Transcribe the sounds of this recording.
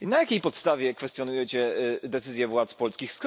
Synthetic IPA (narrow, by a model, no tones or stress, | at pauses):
inajakʲejpɔt̪st̪avʲjɛkfɛst̪ʲjɔnujɛt͡ɕɛd̪ɛt̪sɘzʲjɛvwat̪spɔlskʲixskɔ